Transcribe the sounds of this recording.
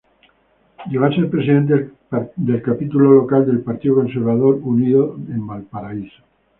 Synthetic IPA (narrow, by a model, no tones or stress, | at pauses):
jeβaseɾpɾe̞siðe̞nt̪̬e | d̪e̞lkapit̪ulo̞lo̞kald̪e̞lpaɾt̪iðoko̞nse̞ɾβað̞o̞ɾuniðoe̞mbalpaɾaiso̥